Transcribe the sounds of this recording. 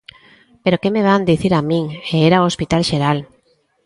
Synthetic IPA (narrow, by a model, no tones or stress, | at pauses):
peɾokemeβand̪iθiɾamĩŋeeɾaoospit̪alʃeɾal